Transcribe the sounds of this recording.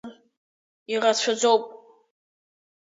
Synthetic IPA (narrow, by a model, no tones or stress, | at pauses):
irat͡ɕʷʰad͡zowpʼ